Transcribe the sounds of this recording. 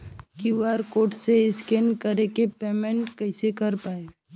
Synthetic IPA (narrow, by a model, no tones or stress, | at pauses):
kiʋaːɾkoːʈseɪskeːnkəɾekepeːmẽɳʈkəɪsekəɾpaːe